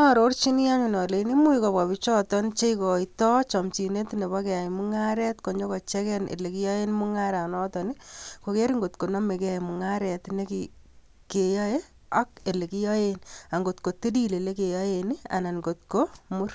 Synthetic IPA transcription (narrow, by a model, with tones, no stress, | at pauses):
a˨ɾo˦rt͡ʃi˦ni˦ja˦ɲi˨nɔ˨le˨ni˦mu˦i˨ko˨pa˨bi˦t͡ʃɔ˦tɔ˦nt͡ʃe˦ikɔ˨itɔ˦t͡ʃɔ˨mt͡ʃi˨ne˦tne˨ba˦kɛ˨a˨jmu˦ŋa˦ɾɛ˦tko˨ɲd͡ʒo˦kɔ˨t͡ʃɛ˦kɛ˦nʔḛ˨le˨ki˦jɔ˦e˦nmu˦ŋa˦ɾa˨nɔ˦tɔ˨ni˦ko˨ke˦ɾi˦ŋɡo˨tko˨nɔ˦me˨kmu˨ŋa˦ɾɛ˨tne˦ki | ke˨jɔ˦e˦ | a˦ke˨le˨ki˦jɔ˦je˦na˨ŋɡo˨tko˨te˦di˦le˨le˦ke˨jɔ˦je˨ni˦a̰˨na˨nɡo˨tko˦mu˦r